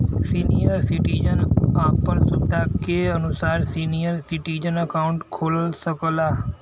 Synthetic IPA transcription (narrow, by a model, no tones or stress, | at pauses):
siːnijəɾsɪʈiːd͡ʒənaːpənsʊd̪ʱakeɐnʊsaːɾsiːnijəɾsɪʈiːd͡ʒənəkaːʊɳʈkʰoːlsəkəlaː